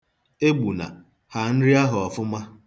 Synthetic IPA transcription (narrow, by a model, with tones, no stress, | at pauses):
e˦ɡ͡bu˨na̰˨ | ha˨n̩˦ɾɪ˦a˦ɦʊ˨ɔ˨fʊ˦ma˦